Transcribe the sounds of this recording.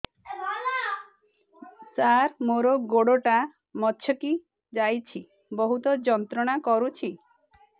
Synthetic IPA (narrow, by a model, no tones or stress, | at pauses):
saɾmoɾoɡoɽoʈa | mɔtʃʰjɔki | d͡ʒajt͡ʃʰi | bɔɦut̪ɔd͡ʒɔnt̪ɾɔɽ̃akɔɾut͡ʃʰi